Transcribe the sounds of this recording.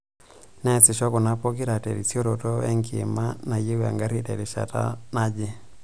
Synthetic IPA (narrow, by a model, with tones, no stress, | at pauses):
nɛ˦t͡sɪ˨ʃɔ˦kɔ˨na˦pɔ˦k̬i˦ɾa˨tɛ˨ɾi˨t͡sjo˦ɾo˨tɔɛ˦ŋkḭ˨ma˦na˨je˦wa̰˨ŋɡa˦ɾi˦tɛ˨ɾi˨ʃa̰˨ta̰˦na˦d͡ʒe˦